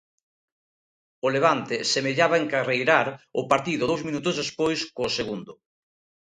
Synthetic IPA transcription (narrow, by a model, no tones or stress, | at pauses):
ʊleβ̞ant̪esemeʎaβaeŋkarejɾaɾʊpaɾt̪iðʊðowzmĩnut̪ʊzðespojskoseɣund̪ʊ